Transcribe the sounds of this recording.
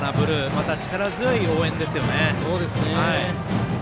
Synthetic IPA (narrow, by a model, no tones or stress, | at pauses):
nabɯ̟ɾɯ̟mat̪at͡ɕi̥kaɾazɨio̞ːẽ̞nd̪e̞sɨjo̞ne̞so̞ːd̪e̞sɨneai